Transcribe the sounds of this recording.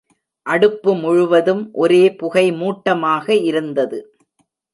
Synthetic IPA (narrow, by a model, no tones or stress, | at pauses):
ʔɐɽɯpːɯmʊɻʊʋɐðɯmʔɔɾeːpʊɣɐɪmuːʈːɐmaːɣɐɪɾɯnd̪ɐðɯ